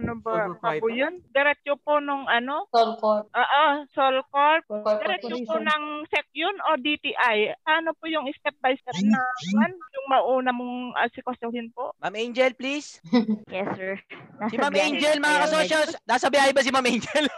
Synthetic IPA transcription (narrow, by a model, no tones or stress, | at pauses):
nobaapʊjond̪ɛɾɛt̚t͡ʃoponʊŋʔɐno̞olkoʔaʔosolkoɹp̪̚ɪɾɛt͡ʃoponɐŋsɛk̚jonod̪it̪iʔajanopʊjʊŋɪst̪ɛp̚bajsɛpnɐmanjʊŋmɐʔuːnɐmoŋʔɐ̰sɪkwɐsohɪnpo̰ʔmamɛnd͡ʒɛlplisjɛsɛɹasimamɛjnd͡ʒɛlmɐŋakɐsoʃɐsnaːsɐbɐjaːhɪbɐs̬ɪmamɛjnd͡ʒɛl